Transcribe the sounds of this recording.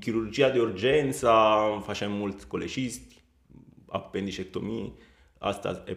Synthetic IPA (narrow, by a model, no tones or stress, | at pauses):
kiɾurd͡ʒiːad̪iurd͡ʒɛnt̪safat͡ʃɛmːult̪kolet͡ʃist̪i̥ | a̰pːend̪it͡ʃɛt̪ːomiː | a̰st̪a̰ɛ